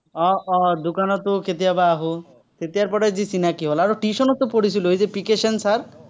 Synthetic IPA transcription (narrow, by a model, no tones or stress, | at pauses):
ɔɔd̪ukanɔt̪ukʰet̪̬ijabaːɦu | k̪ʰet̪ijaɾpɔɾed͡ʑisinakiɦolaɾoʈiʃɔnɔt̪ːopoɽisʰilojd͡ʑepikeʃansaɾ